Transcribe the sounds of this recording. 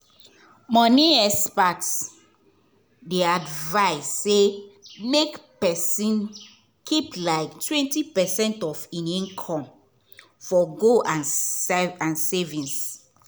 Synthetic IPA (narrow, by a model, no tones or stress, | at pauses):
mɔ̃niɛspat | deadvaɪsːemekpɛsĩn | kʰiplaɪktʰwɛ̃ntipɛsɛ̃ntɔfĩnĩnkʰɔ̃m | fɔɡoʔãn | ãnsɛvĩns